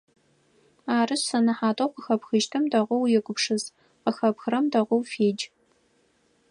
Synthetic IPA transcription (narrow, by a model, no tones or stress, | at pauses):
aːrɨɕsɐnɨħaːtʼɐwqəxɐpxɨʒtʰɨmdɐʁʷʊwjɛɡʷʊpʂɨz | qəxɐpxɨrɐmdɐʁʷʊwfeːd͡ʒ